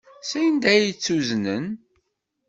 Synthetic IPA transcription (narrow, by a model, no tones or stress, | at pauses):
sæjənd̪æjt͡sːuznən